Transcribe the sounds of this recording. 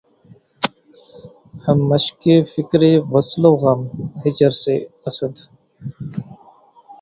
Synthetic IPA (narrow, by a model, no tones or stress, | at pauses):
həmːəʃkefɪkɾeːʋəsloːɣɐmhɪt͡ʃəɾseɐsəd̪